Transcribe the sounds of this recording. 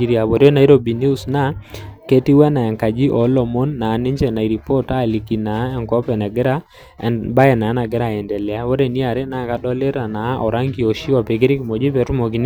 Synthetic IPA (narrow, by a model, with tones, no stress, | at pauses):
i˨ɾja˨bɔ˨ɾjɔ˦na˨i˦ɾo˦˨bi˨ni˦u˦sna˦ke˦ti˦wɛ˦na˨ɛ˨ŋka˨d͡ʒi˦ʔɔ˨˦lɔ˨mo˦nːa˨˦nɪ˦ɲd͡ʒɛ˨na˨i˨ɾi˨pɔ˦ta˦˨li˨ki˨na˨˦ɛ˨ŋkɔ˦pɛ˨nɛ˨ɡɪ˦ɾa˦ | ba˦ɛ˨na˨˦na˨ɡɪ˦ɾa˨ɛ˨ndɛ˨lɛ˨a˦wo˦ɾe˨ni˦a˨ɾe˦na˨˦˨ka˨dɔ˦le˦ɾa˨na˨˦ʔɔ˨ɾa˦ŋɡi˨ɔ˨ʃi˦wa˨pe˨kɪ˦ɾɪ˦ki˨mɔ˨d͡ʒi˦pɛ˨˦tʊ˦mɔ˨ki˨n˦